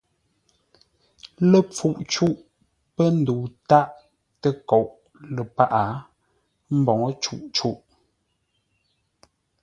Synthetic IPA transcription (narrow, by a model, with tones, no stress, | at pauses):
lə˨p͡fu˨ʔt͡ʃu˦ʔ | pə˦n̩˨du˨ta˦ʔ | tə˦ko˨ʔ | lə˨pa˦ʔa˨˦ | m̩˦bɔ˨ŋ˦t͡ʃu˦˨ʔt͡ʃu˦ʔ